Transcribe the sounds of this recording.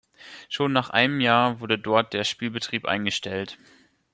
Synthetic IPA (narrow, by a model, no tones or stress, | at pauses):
ʃoːnːaːχʔa̰ɪnəmjaːɐvʊɐdədɔɐt̚d̥eːɐʃpiːlbətʁ̥iːpʔa̰ɪnɡəʃtɛlt